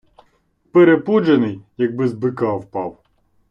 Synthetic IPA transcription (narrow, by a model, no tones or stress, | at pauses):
peɾepud͡ʒenɪjjɐɡ̚bɪzbɪkɑwpɑw